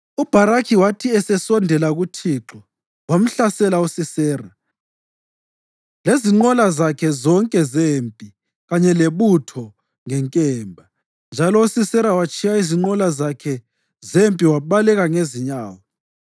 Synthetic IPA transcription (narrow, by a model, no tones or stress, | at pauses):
ub̥ʱaɾakʰiwatʰiɛsɛsɔndʱɛlaɣutʰiːǁɔ | wam̩ɬasɛlausisɛːra | leziŋ͡ǃɔlazakʰɛzɔŋkʼɛzempʼi | ɣaɲɛleβutʰɔ | ŋɛŋkʼɛːmbʱa | nd͡ʒʱalɔusisɛɾawat͡ʃʼijaiziŋ͡ǃɔlazakʰɛ | zempʼiwaβalɛɣaŋeziɲaːwɔ